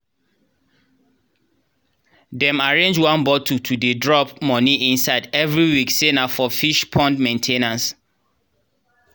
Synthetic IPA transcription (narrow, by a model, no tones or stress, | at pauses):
dɛ̃maɹẽnd͡ʒwãnbɔtʰutʰudedɹɔpmɔ̃niʔĩnsaɪdɛvɹiwiksenafɔfiʃpʰɔ̃ndmẽntʰenãs